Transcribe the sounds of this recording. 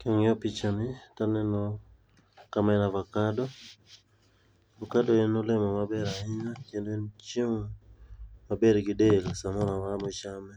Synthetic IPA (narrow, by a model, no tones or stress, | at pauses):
kɔŋɪɔpit͡ʃanɪtanɛnɔ | kamɛnavakadɔ | vakadoɛnɔlɛmɔmabɛɾaɪɲakendont͡ʃiŋ | mabeɾɡɪdelsamɔɾawamot͡ʃamɛ